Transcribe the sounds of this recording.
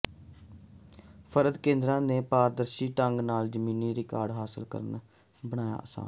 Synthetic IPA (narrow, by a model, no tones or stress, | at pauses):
pʰəɾəd̪kẽːnd̪ɾãːneːpaːɾd̪əɾʃiːʈəŋɡnaːld͡ʒəmiːniːɾɪkaːɾɖɦaːsəlkə̰ɾən | bəɽ̃aːja̰ːʔəsa̰ːn